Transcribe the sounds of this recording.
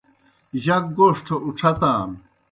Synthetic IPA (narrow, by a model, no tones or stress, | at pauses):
ʑɐk̚ɡoːʂʈʰouʈ͡ʂʰɐt̪aːn